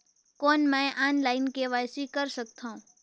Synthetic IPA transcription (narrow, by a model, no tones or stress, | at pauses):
koːnmɛ̃ʔaːnlaːɪnkeʋaːjsikəɾsək̚t̪ʰãũ